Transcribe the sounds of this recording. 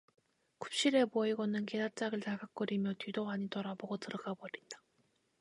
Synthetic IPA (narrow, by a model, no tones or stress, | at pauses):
kup̚ɕ͈iɾe̞poiɡʌnɯnkedat͡ɕ͈aɡɯɭtaɡak͈ɯɾimjʌtɥidoaɲitʌɾaboɡotɯɾʌɡabʌɾit͈ḁ